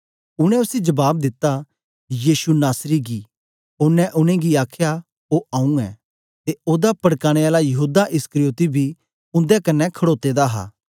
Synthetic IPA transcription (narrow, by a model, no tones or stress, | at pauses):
ʊɽ̃ɛ̃ʊsid͡ʒɐbaːb̚d̪ɪt̪ːa | jiːsunaːsɾiɡi | ʊnːɛ̃ʔʊñẽɡiaːkʰja | oːʔãːũɛ̰ː | t̪eoːd̪apɐɽkaːɽ̃eaːlajɐɦuːd̪aʔɪskəɾijoːt̪ibʱi | ʊ̃nd̪ɛkɐnːɛkʰɐɽoːt̪eːd̪aɦa̰ː